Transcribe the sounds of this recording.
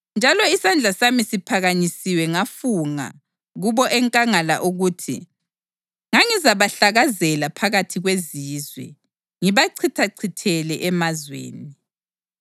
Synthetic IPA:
nd͡ʒʱalɔisand͡ɮʱasamisipʰaɣaɲisiwɛŋafuŋa̰ | ɣuβɔʔɛŋkʼaŋala̰ʔuɣuːtʰḭ | ŋaŋizaβaɬaɣazɛlapʰaɣatʰiɣweziːzwɛ̰ | ŋiβaǀʰitʰaǀʰitʰɛlɛʔɛmazwḛːni

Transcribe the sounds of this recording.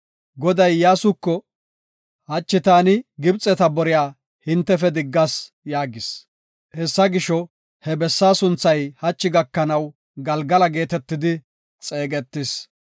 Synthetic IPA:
ɡɔd̪ɐjːaːsʊkːɔ | hɐt͡ʃːɪt̪aːnɪɡɪbt͡sʼːɛt̪ɐbɔɾɪjaː | hɪnt̪ːɛfɛd̪ɪɡːɐs | jaːɡɪs | hɛsːɐɡɪʃɔ | hɛbɛsːaːsʊnt͡sːɐjhɐt͡ʃːɪɡɐkːɐnɐw | ɡɐlɡɐlɐɡe̞ːt̪ɛt̪ːɪd̪ɪ | t͡sʼe̞ːɡɛt̪ːɪs

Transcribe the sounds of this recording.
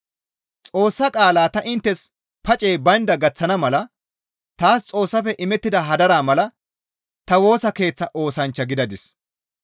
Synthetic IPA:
t͡sʼo̞ːsːɐkʼaːlaːt̪ɐʔɪnt̪ːɛs | pɐt͡ʃʼe̞ːbɐnd̪ɐɡɐt͡sːɐnɐmɐlɐ | t̪aːst͡sʼo̞ːsːɐfɛʔɪmɛt̪ːɪd̪ɐɦɐd̪ɐɾaːmɐlɐ | t̪ɐwo̞ːsɐke̞ːt͡sːɐʔo̞ːsɐnt͡ʃːɐɡɪd̪ɐd̪ɪs

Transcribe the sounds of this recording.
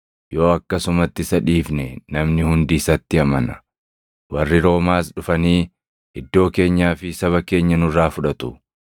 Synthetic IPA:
jo̞ːɐkːɐsʊmɐt̪ːɪsɐᶑiːfnɛnɐmnɪhʊnd̪iːsɐt̪ːɪɐmɐnɐ̥ | wɐrːɪɾo̞ːmaːsᶑʊfɐniː | ɪd̪ːo̞ːke̞ːɲːaːfɪsɐβɐke̞ːɲːɐnʊrːaːfʊᶑɐt̪ʊ

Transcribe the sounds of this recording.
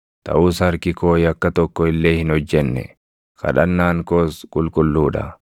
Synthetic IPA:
t̪ɐ̰ʔuːshɐɾkɪkoːjɐkːɐt̪ɔkːɔɪlːe̞ːhɪnɔd͡ʒːɛnːɛ̰ | kʰɐ̰ᶑɐnːaːŋkoːskʼʊlkʼʊlːuːᶑɐ̰

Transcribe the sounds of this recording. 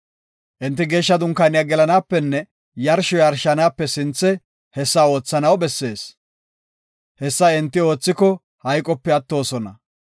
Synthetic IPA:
ʔɪnt̪ːɪɡe̞ːʃːɐd̪ʊŋkːanɪjaɡɛlɐnaːpːɛnːɛ | jɐɾʃɔjɐɾʃːɐnaːpːɛsɪnt͡sːɛ | hɛsːao̞ːt͡sːɐnɐwbɛsːe̞ːs | hɛsːɐɪnt̪ːɪo̞ːt͡sːɪkɔ | hɐjkʼɔpːɛɐt̪ːo̞ːsɔnɐ̰

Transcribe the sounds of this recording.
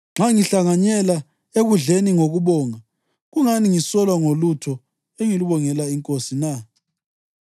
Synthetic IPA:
ŋ͡ǁaŋiɬaŋaɲɛla | eɣuɮeniŋoɣuβɔːŋa | ɣuŋaniŋisɔlwaŋolutʰɔ | eŋiluβɔŋɛlaiŋkʼosina

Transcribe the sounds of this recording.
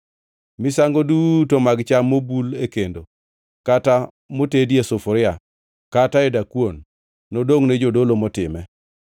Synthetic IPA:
mɪsaŋɡodutomaɡt͡ʃamːobulekendo | kata | motedjesofɔɾɪa | kataɛdakwonː | odoŋnɛd͡ʒodolomɔtɪmɛ

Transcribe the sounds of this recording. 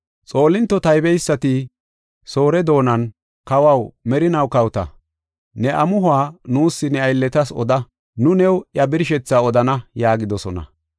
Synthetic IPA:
t͡sʼo̞ːlɪnt̪ːɔt̪ɐjbɛjsːɐt̪ɪ | so̞ːɾɛd̪o̞ːnɐn | kɐwɐwmɛɾɪnɐwkɐwt̪ɐ̰ | nɛʔɐmʊɦʊaːnuːsːɪnɛɐjlːɛt̪ɐsɔ̰d̪ɐ | nʊnɛwjɐbɪɾɪʃɛt͡sːaːɔd̪ɐnɐjaːɡɪd̪ɔsɔnɐ̰

